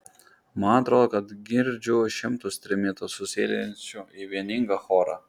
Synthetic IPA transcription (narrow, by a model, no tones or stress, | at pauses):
mɑnɐt̪ɾoːd̪oːkɐt̪ɡʲɪɾʲd͡ʒʲʊʃʲɪmt̪ʊsʲt̪ʲɾʲɪmʲɪt̪ʊsʊsʲḛːlʲɛnʲt͡ʃʲʊiʋʲiɛnʲɪŋɡɐxoːɾɑ̰